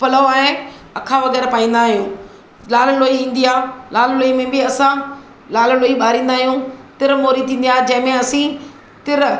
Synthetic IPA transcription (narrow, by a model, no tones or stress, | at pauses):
pɐləoaːẽ | ɐkʰaʋɐɡɛːɾpaːĩːn̆d̪aːɦijũː | laːlloːiĩːn̆d̪iaːlaːlloːimẽbɪɐsã | laːlloːiɓaːɾĩːn̆d̪aːɦijũt̪ɪɾmoːɾĩt̪ʰĩːnd̪ijaːd͡ʑɐ̃ɦɪ̃mẽɐsĩ | t̪ɪɾ